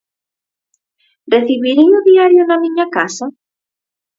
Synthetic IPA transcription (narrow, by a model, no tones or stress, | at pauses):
reθiβiɾeŋʊðiaɾjʊnamĩɲakasa